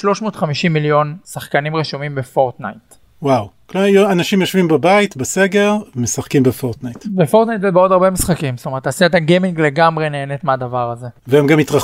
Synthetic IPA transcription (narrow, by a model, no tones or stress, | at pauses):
ʃlo̞ʃmo̞ːt̪χamiʃimːiljo̞nsaχkanimʁiʃumimbefo̞ʁt̪na̰jt | wawkljanaʃimjoʃvimbabait̪baseɡeʁmesaχkimbefoʁt̪najt̪befo̞ʁt̪najtzebeodaʁbemisχakimst̪ometːasiat̪aɡemiŋɡle̞ɡamʁe̞ne̞ːnetmeadavaʁaze̞veemɡamitʁa